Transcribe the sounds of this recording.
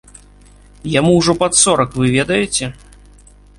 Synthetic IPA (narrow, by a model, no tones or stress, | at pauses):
jamuwʐɔpat̪sɔɾɐkvɨvʲɛd̪ɐjɛt͡sʲɛ